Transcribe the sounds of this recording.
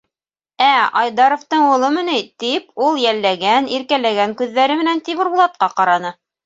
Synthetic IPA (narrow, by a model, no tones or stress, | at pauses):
æɑjd̪ɑɾŏft̪ɤɴulˠɤmɘ̆nɘt̪ipulˠjælːæɡæniɾkælæɡæŋkʉðːæɾɘmɘ̆nænt̪imɤ̆ɾbulˠɑt̪̚qɑqɑɾɑnɤ